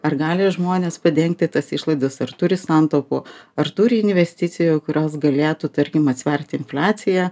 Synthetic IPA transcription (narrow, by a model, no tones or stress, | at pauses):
ɐrɡɑːlʲɪʒmoːnʲeːspɐd̪ʲɛŋk̚t̪ʲɪt̪ɐsɪʃlˠɐɪd̪ɐsɐrt̪ʊɾʲɪsɑnt̪opʊɐɾt̪uɾʲɪɪnʲʋʲɛsʲt̪ʲɪt̪sʲɪjojkʊɾʲoːsɡɐlʲeːt̪ut̪ɐɾʲkʲɪmɐt̪sʲʋʲɛɾʲt̪ʲɪɪnflʲaːt̪sʲɪjɛ